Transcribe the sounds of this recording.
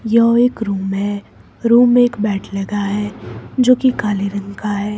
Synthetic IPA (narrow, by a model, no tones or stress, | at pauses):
jɐɦoeːkɾuːmɦɛ | ɾuːmːeːkbɛːʈʰlɐɡaɦɛd͡ʒoːkikaːleɾɐ̃ŋkaɦɛː